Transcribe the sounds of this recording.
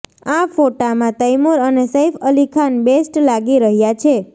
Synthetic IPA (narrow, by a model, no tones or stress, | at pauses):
afoʈamãt̪əjmuɾənesejfəlikʰanbesʈlaɡiɾəɦjat͡ʃʰe